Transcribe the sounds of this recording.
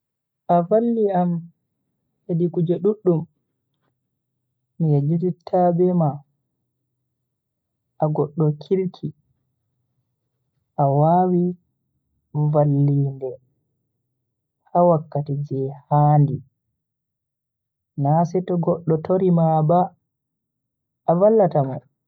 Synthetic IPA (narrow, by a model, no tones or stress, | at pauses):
ʔavalːiam | hedikud͡ʒɛɗuɗːum | mijed͡ʒititʰːabɛma | ʔaɡɔɗːɔkʰilkʰi | ʔawawi | valːiːndɛ | hawakːatid͡ʒɛhaːndi | nasɛtɔɡɔɗːɔtoɾimaba | valːatama̰